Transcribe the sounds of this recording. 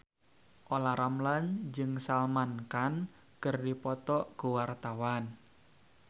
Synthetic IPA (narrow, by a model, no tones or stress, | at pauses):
ʔolaɾamland͡ʒɨŋsalmankan | kərdipɔt̪ɔʔkuwart̪awan